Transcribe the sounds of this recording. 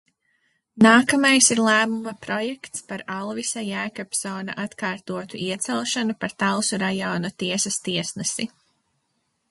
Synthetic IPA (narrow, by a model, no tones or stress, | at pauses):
naːkɐmajsiɾlˠæːmumɐpɾɔjɛkt̪spaɾalˠvisajæːkɔpsɔːna̰ʔat̪kaːɾt̪uɔt̪uʔiɛt̪sɛlˠʃanupaɾt̪alˠsuɾajɔːnut̪iɛsɐst̪iɛsnɛsi